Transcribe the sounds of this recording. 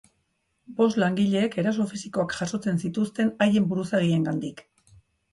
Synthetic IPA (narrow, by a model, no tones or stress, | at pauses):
bo̞slaŋɡiʎe̞ːke̞ɾas̬o̞fisiko̞akʝaso̞t͡se̞nsit̪ust̪e̞naje̞mbuɾusaɣ̞ie̞ŋɡand̪ik